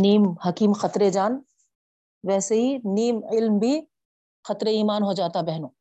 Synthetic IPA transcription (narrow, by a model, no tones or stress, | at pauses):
niːmhɐkiːmxɐt̪ɾed͡ʒaːn | ʋɛːseɦiniːmɪlmbʱi | xɐt̪ɾeiːmaːnɦod͡ʒaːt̪abɛɦnõː